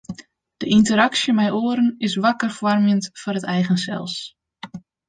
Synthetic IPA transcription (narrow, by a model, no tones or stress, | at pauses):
d̥əʔintəɾaksjəmɛjoəɾənɪsʋakərfwɔrmjəntfʊrətɛjɣənsɛ̰lˠs